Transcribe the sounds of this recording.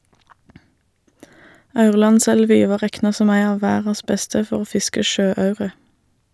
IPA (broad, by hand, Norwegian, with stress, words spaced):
ˈɑʉʁlɑnˌsɛlʋɪ ˈʋɑː ˈʁɛknɑ ˈsɔm ˈæɪ ˈɑː ˈʋæːʁɑs ˈbɛstə ˈfɔʁ ˈoː ˈfɪskə ˈʃøːˌɑʉʁə